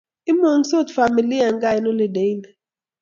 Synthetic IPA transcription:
i˦mo˨ŋso˦t̪fa˨mi˨li˦a˨ŋɡa˦jno˦le˨de˨˦jna˨

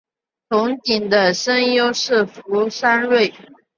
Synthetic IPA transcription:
t̪ʰʊ˧˥ŋt̪i˨˩ŋd̪ə˦ʂə˥ŋjo˥ʊʂɻ̩˥˩fu˧˥ʂa˥nɻwe˥˩ɪ

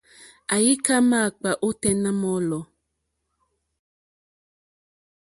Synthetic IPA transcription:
a˨ji˦ka˦ma˦˨k͡pa˨ʔo˦tɛ˦nã˦mɔ˦lɔ˨

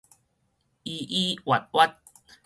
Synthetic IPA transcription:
i˧ʔi˦wa˨˩t̚wa˦t̚

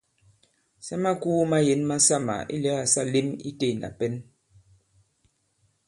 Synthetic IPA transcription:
sɛ˦ma˦kuː˦ma˦je˨˦nma˦sa˦ma̰˨ḭ˦lɛ˦a˨sa˦li˦mḭ˦te˦˨na̰˨pɛ˦n

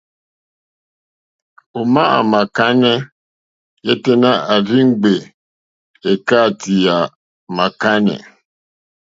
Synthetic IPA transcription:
o˨ma˦a̰˨ma˨ka˦nɛ˦ | jɛ˦te˦na˦a˨ɾi˦ŋ̩˦ɡ͡be˨ | e˨ka˦˨ti˨a˨ | ma˨ka˦nɛ̰˨

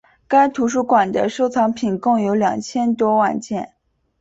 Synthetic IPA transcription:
ka˥ɪt̪ʰu˧˥ʂ̬u˥˩kwa˨˩nd̪ə̰˦ʂo˥˩ʊt͡sʰɑ˧˥ŋpʰi˨˩nkɤ˥˩ŋjo˧˥ʊljɑ̰˨˩ŋt͡ɕʰjɛ˥nt̪wɔ˥wa̰˥˧nt͡ɕjɛ̰˥˩n

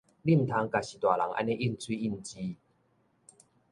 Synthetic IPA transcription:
li˥˩˨m˨t̪ʰa˧˦ŋka˨ɕi˨˩t̪wa˨˩la˨˦ŋʔa̰˧˥nẽ˦ʔi˦˥˨nt͡sʰwi˦i˥˩˨nt͡ɕi˦

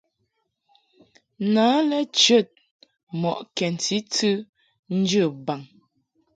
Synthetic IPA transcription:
naː˨˦lɛ˦t͡ʃə˦˨t̚ | mɔ˨ʔkɛ˨n˨tʰi˦tɨ˦ | n̩˦d͡ʒə˦˨ba˨ŋ

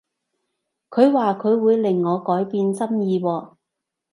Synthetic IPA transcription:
kʰɵ˨˧ɥwaː˨kʰɵ˨˧ɥwuː˨˧jlɪ˨˩ŋːɔː˨˧kɔː˨˥jpiː˧nt͡sɐ˥mjiː˨˧wɔː˧

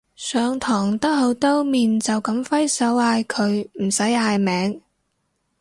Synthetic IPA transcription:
sœː˨˧ŋt̪ʰɔː˨˩ŋt̪ɐ˥k̚ho˨˥wt̪o˥wmiː˨nt͡sɐ˨wkɐ˨˥mfɐ˥jsɐ˨˥waː˧jkʰɵ˨˧ɥm̩˨˩sɐ˨˥jaː˧jmɛː˨˥ŋ

